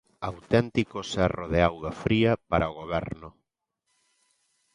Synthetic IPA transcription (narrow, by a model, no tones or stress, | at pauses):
awt̪ɛnt̪ikosɛroðeawɣafɾiɐpaɾʔɐoɣ̞oβɛ̰ɾnʊ